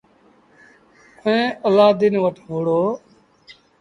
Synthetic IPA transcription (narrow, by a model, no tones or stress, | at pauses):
əẽːəlaːd̪inʋəʈʰɦoːɽoː